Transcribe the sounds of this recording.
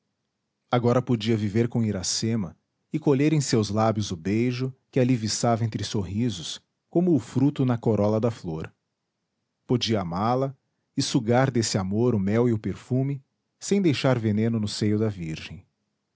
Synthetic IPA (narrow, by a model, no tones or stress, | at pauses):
aɡɔɾɐpod͡ʒiɐviveɾkõiɾasẽmɐ | ɪkoʎeɾẽj̃sewzlabjʊzʊbejʒʊkɪalivisavɐẽnt̪ɾɪsoɦizʊs | kõmʊːfɾut̪ʊnɐkoɾɔlɐd̪ɐfloɾ | pod͡ʒiɐamalɐ | ɪsuɡaɾd̪esɪamoɾʊmɛwɪʊpeɾfũmɪ | sẽj̃d̪ejʃaɾvenẽnʊnʊsejʊd̪ɐviɾʒẽj̃